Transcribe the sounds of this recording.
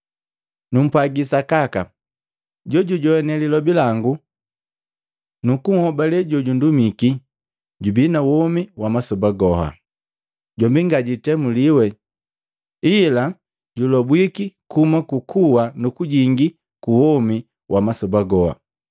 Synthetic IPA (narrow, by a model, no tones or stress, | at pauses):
num̩pwaɡisakaka | ɟɔɟuɟɔɛnɛlilɔbilaŋɡu | nukuŋ̩hɔbalɛɟɔɟundumiki | ɟubinawɔmiwamasɔbaɡɔɦa̰ | ɟɔmbiŋɡaɟitɛmuliwɛ | ila | ɟulɔbwikikʰumakukʰuwanukuɟiŋɡi | kuwɔmi | wʔamasɔbaɡɔha̰